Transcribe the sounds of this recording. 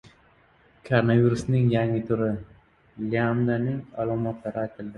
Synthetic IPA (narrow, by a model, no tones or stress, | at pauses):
kʰaɾonaviɾʊsnɪŋjaŋɪt̪ʰʊɾɪ | liamd̪anɪŋalˠɒmɒt̪laɾɪajt̪ʰɪld̪ɪ